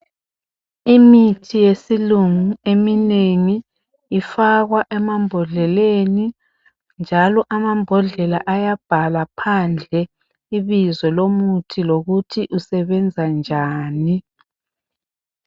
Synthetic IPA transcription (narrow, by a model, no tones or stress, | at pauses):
imitʰijesiluŋuemineŋiː | faɣwaʔɛmambʱɔɮɛleni | nd͡ʒʱalɔʔamambʱɔɮɛlaʔajab̥ʱalapʰand͡ɮʱɛ | iβizɔlomutʰiloɣutʰiʔusɛβɛnd͡zʱand͡ʒʱaːni